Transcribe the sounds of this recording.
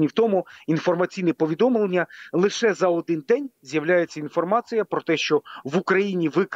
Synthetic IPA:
nʲiwt̪ɔmʊinfɔrmɐt͡sʲijnɛpɔʋʲid̪ɔmlˠenʲːɐlˠɪʃɛzɐɔd̪ɪnd̪ɛnʲzʲjɐʋlʲajet͡sʲːɐinfɔrmɑt͡sʲijɐpɾɔt̪ɛʃt͡ʃɔʋukɾɐjinʲiʋɪk

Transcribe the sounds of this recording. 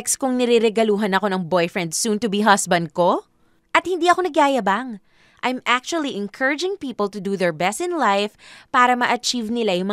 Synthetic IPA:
kskʊŋnɛɾɛɾɛɡɐluːɦɐnɐko̞nɐŋbojfɹɛ̃nd̪sunt̪ʊbiɦɐsbɐnd̪̚ko̞ | ʔɐt̪̚hɪnd̪iːɐkonɐɡaːjɐbaŋ | ʔɐjmʔak̚t͡ʃuɐlˠiʔɪ̃nkʰɜɹɪd͡ʒɪ̃ŋpiːpɐlˠt̪ʊd̪uðɛɹbɛst̪ɪ̃nlajfpaːɾɐmɐʔɐt͡ʃivnɪlajʊŋmɐ

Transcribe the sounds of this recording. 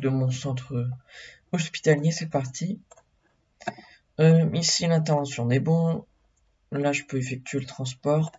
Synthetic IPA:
d̪əmɔ̃sɑ̃t̪χø | ɔspi̥t̪aljesɛpaʁt̪ʰi | øisilɛ̃t̪̬ɛʁvɑ̃sjɔ̃nɛbɔ̃ | laʒəpøefɛk̚t̪ɥelət̪χɑ̃s̬pɔʁ

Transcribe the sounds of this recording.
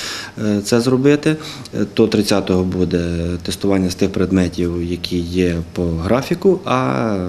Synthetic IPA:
t̪sɛzrɔbɪt̪ɪ | t̪ɔt̪ɾɪt͡sʲːɑt̪ɔɦɔbud̪ɛt̪est̪ʊʋɑnʲːɐst̪ɪxpɾed̪mɛtʲiwjɐkʲʰijɛpɔɦɾɑfʲikʊʔɐ

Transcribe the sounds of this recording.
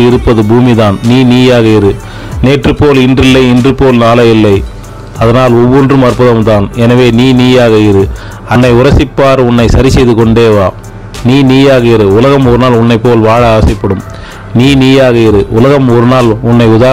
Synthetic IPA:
ɪɾɯpːɐðɯbuːmiðaːnniːniːjaːɣɐɪɾɯ | neːʈrɯpːoːlɪndrɪlːɐɪɪndrɯpːoːlnaːlɐɪlːɐɪ | ɐðɐnaːlɔʋːɔndrɯmɐrpɐðɐmd̪aːnɛnɐʋeːniːniːjaːɣɐɪɾɯ | ɐnːɐɪʊɾɐsɪpːaːɾʊnːɐɪsɐɾɪsɛjðɯkɔɳɖeːʋaː | niːniːjaːɣɐɪɾɯʊlɐɣɐmɔɾɯnaːlʊnːɐɪpːoːlʋaːɻɐːʋɐsɪpːɐɽɯm | niːniːjaːɣɐɪɾɯʔʊlɐɣɐmɔɾɯnaːlʊnːɐɪʊðaː

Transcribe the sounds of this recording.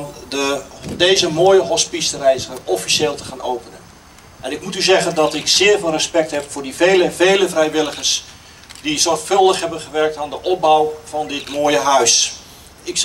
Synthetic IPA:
ndədejzəmoːjəɦɔspistərɛjsəərɔfiseːlˠtə̥χaːnowpənən | ʔɛnɪk̚mutyzɛɣəndɔtɪksɪːrvɪːlˠrəspɛk̚thɛpfʊːrdiveːləveːləvrɛjʋɪlˠəχərs | dizɔrxfɵlˠdəχɦɛbənχəʋɛrk̚taːndəʔɔp̚bawvɔndɪtmoːjəɦœɥs | ɪk

